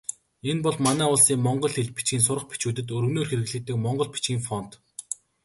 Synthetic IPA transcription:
enpɔɮmanæːʊɮsiːŋmɔɴɢɞ̆ɮxeɮpi̥t͡ɕɡʲiːns̬ʊɾə̆χpi̥t͡ɕuːt̪ɘ̆t̪̬ɵɾɵɣnoːrxeɾɣɘ̆ɣɮɘ̆t̪ːɘ̆kmɔɴɢɞ̆ɮpi̥t͡ɕɡiːŋfɔn̥t̪

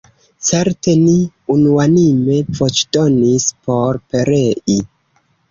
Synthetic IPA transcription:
t͡se̞ɾte̞ni | unuanime̞vot͡ʃdo̞nispo̞ɾpe̞ɾe̞ʔi

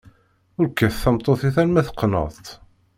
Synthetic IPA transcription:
ʊɾkːæθθæmt̪ˤːoθiθænmæθə̥qːnə̰ðˤt̪

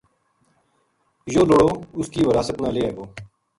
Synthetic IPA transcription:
joːloɽoːʊskiːʋəɾaːsət̪nãːleːeːɡoː

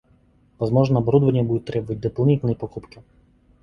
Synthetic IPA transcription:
ʋɐzmɔʒnɐɔbɔɾud̪ʋɐnʲːɐbud̪ʊt̪ɾɛbɔʋɐt̪̚ʲd̪eplˠnʲit̪nɐjipɔkupkʲɪ

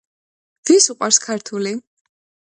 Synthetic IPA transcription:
v̥isuqʼwaɾskʰaɾt̪ʰuli

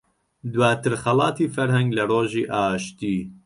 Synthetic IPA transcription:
d̪waːt̪ʰɨɾxɛlɑːt̪ʰiːfɛɾhɛŋɡlɛɾoːʒiːʔaːʃt̪iː

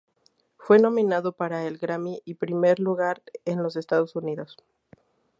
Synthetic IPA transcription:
fwe̞nõ̞mĩnaðo̞paɾaelɡɾamiʔipɾime̞ɾluɣaɾenlo̞s̬e̞st̪aðo̞suniðo̞s

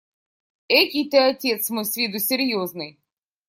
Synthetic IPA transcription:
ɛkʲit̪ɛɐɔtʲɛt̪smɔsʲʋʲid̪̬ʊsʲeɾʲjɔznɪj

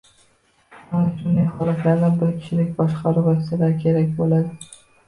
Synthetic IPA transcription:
anɪʃʊnd̪ajχɒlˠat̪laɾd̪anbɪɾkʲʰɪ̥t͡ʃʰɪlɪk̚ʲbɒʃqʰɑɾʊvɒkʲsalaɾkʲʰe̞ɾakʲbolad̪ɪ

